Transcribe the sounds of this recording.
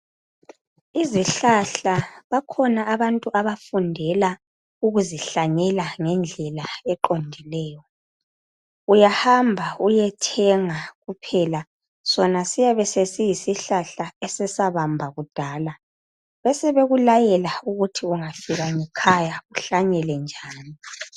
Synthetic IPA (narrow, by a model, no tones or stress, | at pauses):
iziɬaɬaβakʰɔnaːβantʼuʔaβafundʱɛla | uɣuziɬaɲɛlaŋɛnd͡ɮʱɛlaɛǃondʱilɛːjɔ | ujahambʱaujɛtʰɛŋaɣupʰɛla | sɔnasijaβɛsesijisiɬaɬaɛsɛsaβambʱaɣud̥ʱaːla | βɛsɛβeɣulajɛlauɣutʰiuŋafiɣaŋɛkʰajauɬaɲɛlɛnd͡ʒʱaːni